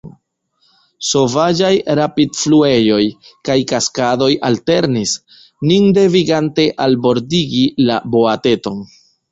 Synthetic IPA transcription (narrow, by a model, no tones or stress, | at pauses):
so̞vad͡ʒajɾapidflue̞jo̞jkajkaskado̞jalte̞ɾnis | ninde̞viɡante̞ʔalbo̞ɾdiɡilabo̞ate̞to̞n